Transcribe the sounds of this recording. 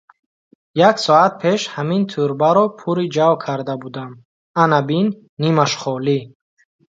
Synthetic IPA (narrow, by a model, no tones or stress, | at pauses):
jaksɔat̪̚pʰeʃhamint̪ʰuɾbaɾɔpʰuɾid͡ʒavkʰaɾd̪abud̪am | anabinː | imaʃχɔli